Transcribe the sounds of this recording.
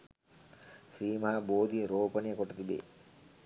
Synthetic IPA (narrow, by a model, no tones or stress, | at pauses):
sɾiːmɐɦaboːd̪iɾoːpənijəkoʈət̪ibḛː